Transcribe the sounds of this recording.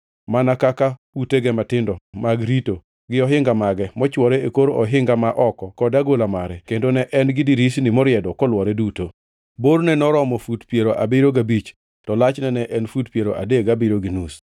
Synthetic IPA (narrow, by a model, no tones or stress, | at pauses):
manakaka | uteɡɛmatɪndɔmaɡɾito | ɡɪɔɦɪŋɡamaɡɛmɔt͡ʃwɔɾeekoɾɔɦɪŋɡamaʔɔkɔkɔdaɡolamaɾɛkendonɛʔɛnɡɪdiɾisnɪmɔɾjɛdɔkɔlwɔɾɛduto | boɾnɛnɔɾɔmɔfutpjeɾoʔabɪɾoɡabit͡ʃ | tɔlat͡ʃnɛnɛʔɛnfutpjeɾoʔa̰deɡabɪɾoɡinus